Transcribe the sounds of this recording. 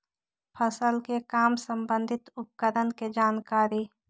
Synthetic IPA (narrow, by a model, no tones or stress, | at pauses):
pʰəsəlkekaːmsə̃mbə̃nd̪ʱɪt̪ʊp̚kəɾənked͡ʒaːnkaːɾiː